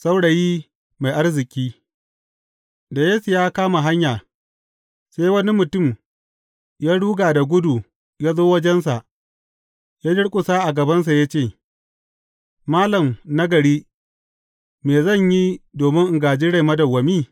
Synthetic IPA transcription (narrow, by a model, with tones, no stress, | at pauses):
sa˦wɽa˨jiː˦ | ma˨jʔa˦rzɪ˨kʲʼiː˦ | da˨jeː˦su˨jaː˦kaː˦ma˨ɦa˦ɲjaː˨ | sa˦jwɐ˦ni˦mʊ˨tʊ˦˨m | jaː˦ɽuː˦ɡaː˨da˨ɡʷʊ˦du˨ | jaː˦zoː˦wɐ˦d͡ʒɛ˦ns̬a˨ʔ | jaː˦d͡ʒɪ˦ɽkʷʼʊ˨saː˦ʔa˨ɡɐ˨bɐ˦ns̬a˨ja˦t͡ʃeː˦˨ | maː˦lɐ˨mnɐ˦ɡɐ˨ɽiː˦ | meː˨zɐ˦˨ɲji˦doː˨mɪ˦ŋʔɪ˨ŋɡaː˨d͡ʒiː˦ɽa˦˨jmɐ˦dɐ˨wːɐ˨miː˦˨